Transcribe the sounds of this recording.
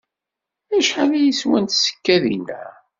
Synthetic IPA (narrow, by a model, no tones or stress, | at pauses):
æʃħalæjiswænt̪sə̥kːæðḭnæ̰